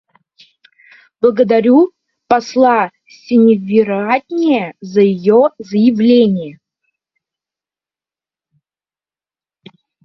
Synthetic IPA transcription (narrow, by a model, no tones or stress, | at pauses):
blˠəɡəd̪aɾʲu | pɐslˠa | sʲɪnʲɪvʲɪɾatʲnʲɪjəzəjɪjozəjɪvlʲenʲɪjə